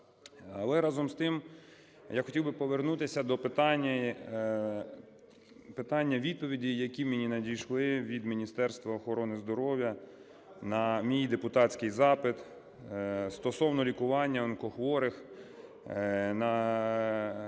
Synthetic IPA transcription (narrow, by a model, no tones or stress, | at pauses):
ɐlˠɛɾɑzɔmst̪ɪm | jaxɔtʲiwbɪpɔʋernut̪ɪsʲɐd̪ɔpɪt̪ɑnʲːɐ | pɪt̪ɑnʲːɐʋʲid̪̚pɔʋʲidʲijɐkʲimenʲinɐdʲijʃlˠɪʋʲid̪mʲinʲist̪ɛrst̪ʋɐɔxɔɾɔnɪzd̪ɔɾɔwʲjɐ | nɐmʲijijd̪epʊt̪ɑt͡sʲkɪjzɑpɪt̪ | st̪ɔsɔwnɔlʲikʊʋɑnʲːɐɔnkɔxʋɔɾɪx | nɐ